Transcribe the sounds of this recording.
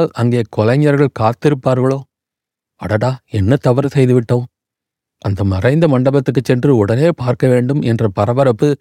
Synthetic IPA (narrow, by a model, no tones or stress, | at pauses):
lɐŋɡeːkɔlɐɲːɐɾɣɐɭkaːɾt̪ːɪɾɯpːaːɾɣɐɭoː | ɐ̰ɽɐɽaːɛnːɐt̪ɐʋɐɾɐsɛjðɯʋɪʈːoː | ʔɐnd̪ɐmɐrɐɪnd̪ɐmɐɳɖɐbɐt̪ːɯkːɯt͡ʃːɛndrɯʊɽɐneːpaːɾkɐʋeːɳɖɯmɛndrɐpɐɾɐʋɐɾɐpːɯ